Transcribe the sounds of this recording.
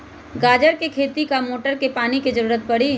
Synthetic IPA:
ɡaːd͡ʒəɾkekʰeːt̪ikamoːʈəɾkepaːniked͡ʒəɾuːɾət̪̚pɐɽiː

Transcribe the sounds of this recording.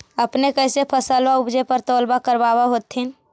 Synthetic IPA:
əpnekəɪsepʰəsəlʋaʊbd͡ʒepəɾt̪ɔːlbakəɾbaːbaɦoːt̪in

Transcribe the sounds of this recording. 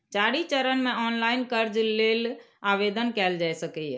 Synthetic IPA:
t͡ʃaːɽit͡ʃəɾənmẽɔːnlaːɪnkəɾd͡ʒːeːl | aːʋed̪ənkɛːld͡ʒaːjsəkɛ

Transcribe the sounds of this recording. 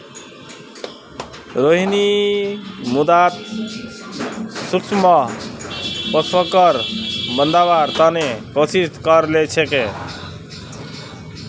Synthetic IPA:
ɾoɦini | mud̪at̪ | sukt͡ʃmʌ | pɔsəkʌɾbənd̪abaɾt̪anekosiskʌɾlet͡ʃʰeke

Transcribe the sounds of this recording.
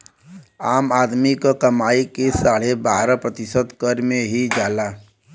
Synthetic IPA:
aːmaːd̪mikokəmaːikesaːɽebaːɾəpɾət̪ɪsət̪kəɾmẽɦid͡ʒaːlaː

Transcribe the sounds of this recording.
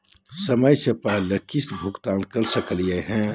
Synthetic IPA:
səməjsepəɦləkisbʱʊkt̪aːnkɐɾsəklijeɦɛ̃

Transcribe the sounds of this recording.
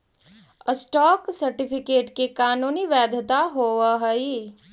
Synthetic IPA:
əsʈɔːksɐɾʈɪpʰɪkeːʈkikaːnuːniʋɛːd̪ʱət̪aɦoːʋəɦəi

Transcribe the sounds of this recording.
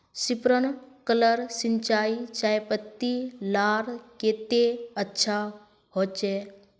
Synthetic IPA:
sipɾənkələɾsɪnt͡ʃaːit͡ʃaːjpət̪ːilaːɾkeːt̪eətːʃʰa | ɦoːt͡ʃeː

